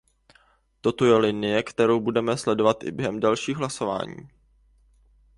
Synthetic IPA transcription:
t̪o̞t̪ojɛlɪnɪjɛkt̪ɛɾowbudɛmɛslɛdo̞vat̪ʔɪ̰bjɛɦɛmdalʃiːɣɦlaso̞va̰ːɲḭː

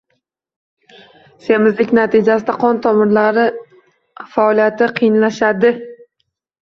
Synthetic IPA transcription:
semɪzlɪkʲnat̪ɪd͡ʒasɪd̪aqʰɒnt̪ʰɒmɪɾlaɾɪ | faɒlijat̪ʰɪqʰɨjnlaʃad̪ɪ

